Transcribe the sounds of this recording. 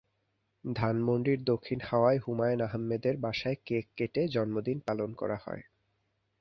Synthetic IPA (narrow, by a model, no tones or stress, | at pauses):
d̪ʱanmonɖɾiɾd̪okʰːinhaoaeɦumaenaɦamːed̪eɾbaʃaekekːeʈed͡ʑɔnmod̪inpalonkɔ̰ɾahɔ̰e